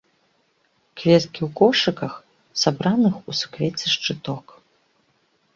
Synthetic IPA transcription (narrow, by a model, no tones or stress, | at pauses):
kvʲɛt̪kʲiwkɔʂɨkɐx | sabɾanɨxusu̥kvʲɛt͡sʲɛʂt͡ʂɨt̪ɔk